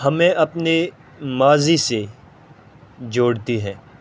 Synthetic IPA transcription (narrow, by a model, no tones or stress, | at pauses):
ɦɐmẽʔɐpne | maːzise | d͡ʒoːɽt̪iɦɛ̃ː